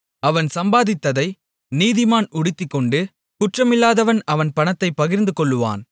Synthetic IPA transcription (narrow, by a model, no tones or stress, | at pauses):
ɐʋɐnsɐmbaːðɪt̪ːɐðɐɪ | niːðɪmaːnʊɽɪt̪ːɪkːɔɳɖɯ | kʊʈrɐmɪlːaːðɐʋɐnɐʋɐnpɐnɐt̪ːɐɪpːɐɣɪɾnd̪ɯkɔɭːɯʋa̰ːn